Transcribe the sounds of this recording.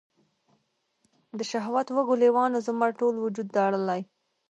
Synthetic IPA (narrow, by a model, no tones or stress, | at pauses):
d̪əʃaɦwat̪wəɡʊlewɑnozʊmaɾʈolwʊd͡ʒud̪ːɑɽəlaj